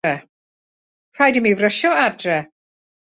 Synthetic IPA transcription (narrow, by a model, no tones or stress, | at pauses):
ɛ | r̥ajdimivrəʃɔadrɛ